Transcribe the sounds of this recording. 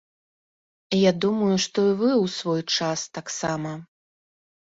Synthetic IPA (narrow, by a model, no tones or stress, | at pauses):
jad̪umɐjuʂt̪ɔivɨwsvɔjt͡ʂast̪aksamɐ